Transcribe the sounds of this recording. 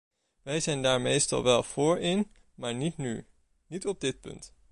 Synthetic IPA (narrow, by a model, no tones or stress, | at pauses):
ʋɛjzɛjndaːɹmejstɑ̰lˠʋɛlˠv̥ʊːɹɪn | maːɹnitny̰ | nitɔb̚dɪt̚pɵ̰nt